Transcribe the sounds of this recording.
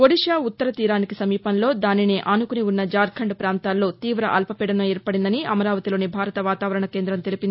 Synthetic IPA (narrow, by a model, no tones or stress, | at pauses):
koɽiʂjaːut̪ːɐɾɐt̪iːɾaːnikisɐmiːpɐnlo̞ːd̪aːnineːʔɐnukuniunːɐd͡ʒaːɾkʰɐɳɖpɾaːnt̪aːlːo̞ːt̪iːʋɾɐ̰ʔɐ̰lpɐpɛːɽɐnɐɛːɾpɐɽind̪ɐniʔɐmɐɾaːʋɐt̪iloːnibʱaːɾɐt̪ɐʋaːt̪aːʋɐɾɐɳɐke̞ːnd̪ɾɐmt̪elipini